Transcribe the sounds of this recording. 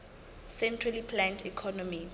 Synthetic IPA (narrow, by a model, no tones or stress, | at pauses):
sɛ̃ntʰralipʰlãntʰikʰɔnɔmi